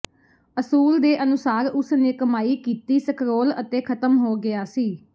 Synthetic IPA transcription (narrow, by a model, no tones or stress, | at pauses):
əsuːld̪eːʔənʊsaːɾʊsneːkəmaːiːkiːt̪iːsəkʰɾoːlət̪eːkʰət̪əmɦoːɡɪaːsiː